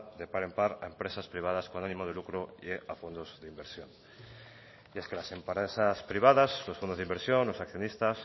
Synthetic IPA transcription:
ðepaɾempaɾa̰empɾesaspɾiβ̞að̞askonanĩmoð̞elukɾoieafond̪ozðeimbeɾsjon | jeskelasempaɾesaspɾiβ̞aðaslofond̪ozðimbeɾsjonlosakθjonist̪as

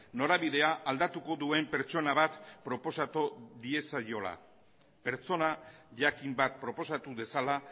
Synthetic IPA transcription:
no̞ɾaβiðe̞aʔald̪at̪uko̞ðue̞mpe̞ɾt͡ʃo̞naβat̪pɾo̞po̞sat̪oðie̞sajo̞la̰ | pe̞ɾt͡so̞naʝakimbat̪̚pɾo̞po̞sat̪uðe̞sala

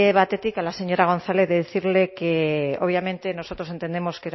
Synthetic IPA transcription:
eβat̪e̞t̪ikalase̞ɲo̞ɾaɣ̞o̞nθaleðeðeθiɾle̞keoβ̞jamẽ̞nt̪eno̞so̞t̪ɾo̞se̞nt̪e̞nd̪emo̞skeɾ

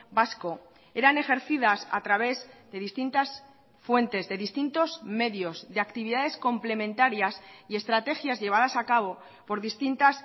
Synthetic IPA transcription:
basko̞ | e̞ɾane̞xe̞ɾθiðasa̰t̪ɾaβ̞e̞zðe̞ðist̪int̪as | fwe̞nt̪e̞zðe̞ðist̪int̪o̞zme̞ðjo̞zðe̞akt̪iβ̞iðaðe̞sko̞mple̞mẽnt̪aɾjasie̞st̪ɾat̪e̞xjazʎe̞β̞að̞asakaβ̞o̞ | po̞ɾðist̪int̪as

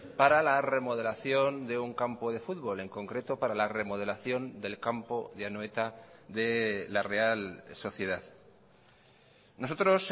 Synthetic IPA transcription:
paɾalare̞mo̞ð̞e̞laθjo̞nd̪e̞uŋkampo̞ðe̞fuðβo̞le̞ŋko̞ŋkɾe̞t̪o̞paɾalare̞mo̞ð̞e̞laθjo̞nd̪e̞lkampoðjanoet̪aðe̞lare̞also̞θje̞ðað | no̞so̞t̪ɾo̞s

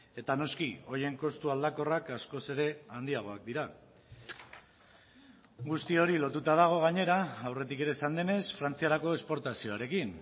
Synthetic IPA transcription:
e̞t̪ano̞skio̞je̞ŋko̞st̪uald̪ako̞rakasko̞se̞ɾe̞and̪iaɣ̞o̞ak̚d̪iɾa | ɡust̪io̞ɾilo̞t̪ut̪að̞aɣ̞o̞ɣ̞aɲe̞ɾaawre̞t̪ike̞ɾe̞sand̪e̞ne̞sfɾant͡siaɾako̞espo̞ɾt̪asio̞aɾe̞kin

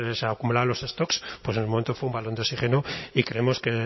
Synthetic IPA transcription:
seakumulalo̞se̞st̪o̞kspwes̬enemoment̪ofweumbalo̞nd̪eosiχenoikɾeemo̞ske

